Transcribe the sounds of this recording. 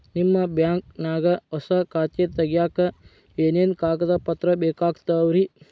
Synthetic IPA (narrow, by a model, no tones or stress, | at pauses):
nimːɐbjaːŋk̚naːɡɐɔsɐkaːt͡ʃet̪ɐɡjaːkɐ | eːneːnkaːɡɐd̪ɐpɐt̪ɾɐbeːkaːɡt̪ɐʋɾi